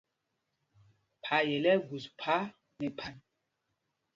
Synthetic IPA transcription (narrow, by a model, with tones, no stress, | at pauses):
pʰa˨jɛ˨lɛ˦ɡu˨spʰa˦ | nɛ˨pʰa˦n